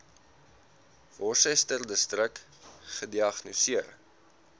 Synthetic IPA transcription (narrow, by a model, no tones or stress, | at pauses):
vɔrsəjstərdəstrək | χədiɐχnusiər